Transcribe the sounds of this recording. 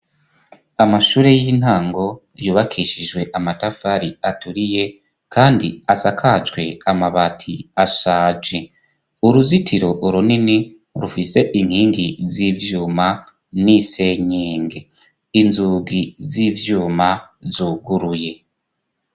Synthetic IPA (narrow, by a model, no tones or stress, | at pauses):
amaʃuːɾejiːn̥haːŋɡo̞ | juːβakʰiʃid͡ʒɡwe̞ʔamatafaɾiatuɾije̞ | kaːndḭasakʰad͡ʒɡwe̞amaβatʰiaʃaːd͡ʒwe | uɾuzitʰiɾo̞ʔuɾunini | ɾufise̞ʔin̥hiːŋɡizivjuːma | nise̞ɲeːŋɡe̞ | inzuːɡiziːvjuːmazuːɡuɾuje̞